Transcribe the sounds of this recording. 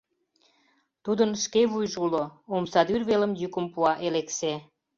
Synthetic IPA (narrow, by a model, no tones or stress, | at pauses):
t̪ud̪ənʃkeβujʒuloomsɑd̪yrβeləmjykəmpuɑʔelekse